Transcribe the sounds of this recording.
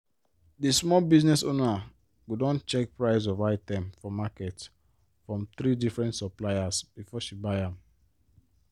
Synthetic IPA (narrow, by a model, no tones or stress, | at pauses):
dismɔlbiznɛsona | ɡudɔ̃nt͡ʃɛk̚pɹaɪs̬ɔvaɪtɛ̃mfɔmakɛt | fɹɔ̃mθɾidifɹɛ̃ntsaplaɪasb̥ifɔʃibaɪãm